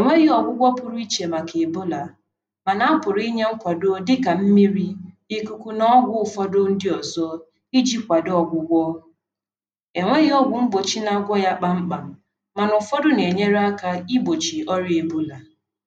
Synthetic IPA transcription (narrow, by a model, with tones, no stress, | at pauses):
e˨ŋʷe˦ɣi˦ɔ˨ɡʷʊ˦ɡʷɔ˦pʊ˨ɾʊ˦i˦t͡ʃe˨ma˨kʰe˨e˨bo˦la˨ | ma˨na˦a˦pʊ˨ɾi˦ɲe˦ŋ͡m̩˦kʷa˨do˦dɪ˦ka˨m̩˦mi˦ɾi˦ | i˨ku˨kʷu˦nɔ˦ɡʷʊ˦ʊ˨fɔ˦dʊ˦n̩˦dɪ˦ɔ˨zɔ˦ | i˦d͡ʒi˦kʷa˨dɔ˨ɡʷʊ˦ɡʷɔ˦ | e˨ŋʷe˦ɣɪ˦ɔ˦ɡʷʊ˨ŋ͡m̩˦bo˨t͡ʃi˦na˨a˨ɡʷɔ˦ja˦k͡pa˦ŋ͡m̩˦k͡pa˨m̩˨ | ma˨nʊ˨fɔ˦dʊ˦ne˨ɲe˦ɾa˦ka˦i˦bo˨t͡ʃi˨ɔ˦ɾje˨bo˦la˨